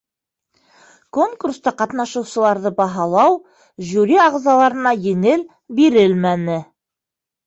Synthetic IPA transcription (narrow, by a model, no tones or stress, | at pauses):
ko̞ŋkurst̪ɑqɑt̪nɑʃɤ̆wsɤ̆lˠɑɾðɤbɑɦɑlˠɑw | ʑuɾʲiɑʁzɑlˠɑɾɤ̆nɑjɘ̆ŋɘl | biɾɘlmænɘ